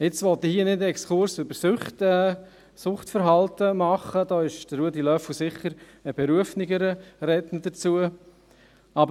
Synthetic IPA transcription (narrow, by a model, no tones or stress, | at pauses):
ɪt͡sʋɔt̪ːəhiənɪdɛkskʰʊɾsʏbəɾsʊχtɛ | sʊχtfəɾɦɑltəmɑχəd̥ɑːɪʃd̥əːuədilœflsɪχːəɾ | əb̥ɛɾuəfnɪɡəɾəɾɛtnəd̥ət͡suə | ɑbə